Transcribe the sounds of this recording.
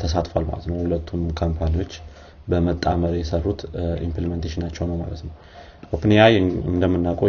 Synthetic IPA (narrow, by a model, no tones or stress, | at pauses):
t̪ʰəsat̪falma̰lət̪nəwhulət̪ʰːumkʰəmpʰaniwo̞t͡ʃː | bəmət̪ʼːaməɾjɛsərːut̪ḭmpliment̪ʰeʃɪnat͡ʃːɛwnəwma̰lət̪nəw | ʔopnijajɨnd̪əmːɨnːakʼo